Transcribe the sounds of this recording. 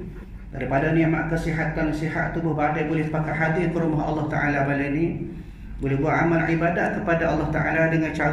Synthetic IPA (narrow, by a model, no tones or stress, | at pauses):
daɾipadanĩama̰ʔkəsiɦat̪ansiɦa̰ʔ̪t̪ubobadajbolɛhpakat̪ɦadɪkəɾumaɦɑ̰lːɑht̪aʔalabalajni | bolɛɦbuaʔamalʕibadaʔ̚kəpadaɑlːɑht̪aʔa̰ladəŋant͡ʃa